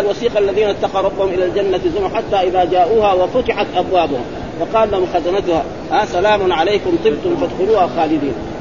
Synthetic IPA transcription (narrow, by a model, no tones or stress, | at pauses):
alwɑsiːqaʔalːaðiːnaʔt̪ːɑqɑwɾˤɑbːahʊmʔɪlaːld͡ʒanːaɪzʊmaħat̪ːaːʔɪðaːd͡ʒaːʔuːhawafʊt̪ˤɪħat̪ʔabwaːbʊhʊm | wɑqɑːllahʊmxazanat̪ʊhaː | haːsalaːmʊnʕalajkʊmt̪ˤɨbt̪ʊmfad̪xʊluːhalxaːlɪd̪iːn